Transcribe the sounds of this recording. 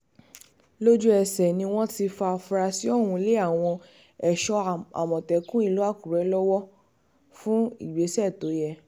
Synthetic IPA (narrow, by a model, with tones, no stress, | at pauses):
lo˦d͡ʒu˦ɛ˧˨sɛ˨nĩ˧w̃ɔ̃˦ti˧fa˧fu˧ɾa˧si˨˦o˦˨wũ˧le˦a˦˨w̃ɔ̃˧ | ɛ˨ʃɔ˧a̰˨mɔ̃˨tɛ˨˦kũ˦i˦˧lo˦a˦˨ku˨ɾɛ˨˦lɔ˦wɔ˦ | fũ˦ḭ˦˨ɡ͡be˨˦sɛ˦˨to˨˦jɛ˦˧